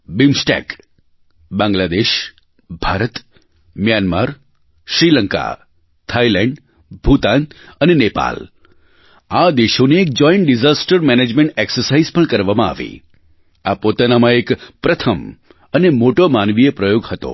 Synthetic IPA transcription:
bimsʈɛ̰k | bãŋɡlad̪eʃ | bʱaɾət̪ | mjanma̰ɾ | ʃɾiləŋka̰ | t̪ʰailɛ̃ɳɖ | bʱut̪ant̪ənenepa̰l | ad̪eʃoneːk̚d͡ʒɔiɳʈɖizasʈəɾmɛned͡ʒmẽɳʈeksəɾsaizpəɳkəɾʋamãa̰ʋḭ | apot̪anamãekpɾət̪ʰəm | ənemoʈomanʋijepɾəjoɡhət̪o̰

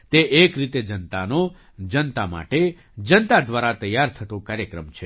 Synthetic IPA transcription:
t̪eʔekɾit̪ed͡ʒənt̪ano | d͡ʒənt̪ama̰ʈe | d͡ʒənt̪ad̪ʋaɾat̪əjːaɾt̪ʰət̪õkaːɾjəkɾəmt͡ʃʰe

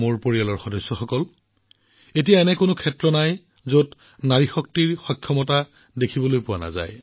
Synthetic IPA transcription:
moɹpoɹijalɔɹxɔdɔsːɔxɔkɔl | etijaɛnɛkʊnʊkʰɛtɹɔnaj | zot | naɹixɔk̚tiɹxɔkʰːjɔmɔta | dekʰibɔlojpʊwana̰za̰j

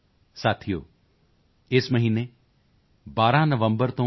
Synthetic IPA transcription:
saːt̪ʰijo̰ː | ɪsməɦiːne | baːɾãnəʋə̃mbəɾt̪õ

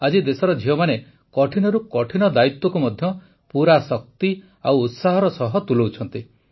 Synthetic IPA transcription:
ad͡ʒid̪esɔɾɔd͡ʒʱiɔmane | kɔʈʰinɔɾukɔʈʰinɔd̪ait̪wɔkumɔd̪ʱjɔ | puɾasɔk̚t̪i | awːt̪saɦɔɾɔsɔɦɔt̪ulowt͡ʃʰɔnt̪i

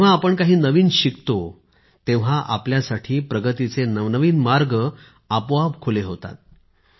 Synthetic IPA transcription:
aːpəɳkaɦiːnəʋiːnɕikt̪o | t̪ẽʋ̤aʔa̰pljasaʈʰiːpɾəɡət̪it͡senəʋnəʋiːnmaɾɡə | əpʋabkʰoleɦot̪a̰t̪̚

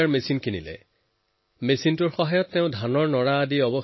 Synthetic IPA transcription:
aɹmesinkinilɛ̰ | mesintʊɹxɔɦajɔtːɛʊ̃dʱanɔɹnɔɹaːdiɔbɔ

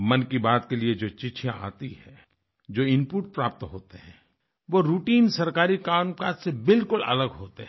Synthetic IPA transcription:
mɐnkibaːt̪kelied͡ʒoːt͡ʃɪt͡ʃʰjãa̰ːt̪iɦɛː | d͡ʒoːɪ̃mpuːʈ̚pɾaːp̚t̪ɦo̰ːt̪eɦɛ̃ː | ʋoɾuːʈiːnsɐɾkaːɾikaːmkaːd͡ʒsebɪlkʊlɐ̰ləɡɦoːt̪eɦ

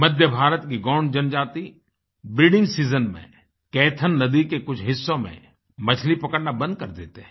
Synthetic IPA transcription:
mɐd̪ʱjəbʱaːɾət̪kiɡɔːɳd͡ʒənd͡ʒaːt̪i | bɪɖɪ̃ŋɡsiːzənmḛ̃ | kɛːt̪ʰənːɐd̪ikekʊt͡ʃʰɦɪsːõmḛ̃ | mɐt͡ʃʰlipɐkəɽnabɐ̃nd̪̚kɐɾd̪eːt̪eɦ

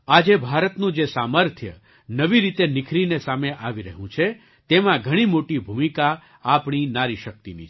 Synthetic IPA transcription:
ad͡ʒebʱaɾət̪nũd͡ʒesaməɾt̪ʰjə̰ | nəʋiɾit̪enɪkʰɾinesameʔaʋiɾəɦũt͡ʃʰe | t̪emãɡʱəɽ̃imoʈibʱumika | apɳ̃inaɾiʃək̚t̪inḭ

